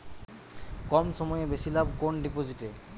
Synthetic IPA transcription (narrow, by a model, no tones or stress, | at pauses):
kɔmʃɔmɔjebesilabkonɖipod͡ʑiʈe